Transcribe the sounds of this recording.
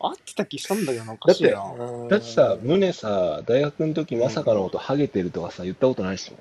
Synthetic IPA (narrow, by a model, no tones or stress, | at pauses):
at̪ːe̥t̪akʲiɕi̥t̪ãnd̪akenakːad̪aːead̪at̪ːe̞̥samɯ̟ne̞sad̪aiɡakɯ̟not̪o̞kʲimasakanoot̪o̞haɡe̞t̪e̞ɾɯ̟t̪o̞kasajɯ̟t̪ːako̞t̪o̞naɾiɕi̥mo̰